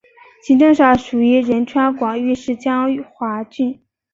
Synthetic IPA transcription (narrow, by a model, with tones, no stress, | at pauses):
ɕi˧˥ʈ͡ʂɤ˥˧ŋʂa˥˩ʂu˨˩y˧˥ɻə˧˥nʈ͡ʂʰwa˥nkwɑ˨˩ŋy˥˧ʂɻ̩˥˩t͡ɕjɑ˥ŋy˨˩xwa˧˥t͡ɕy˥˩n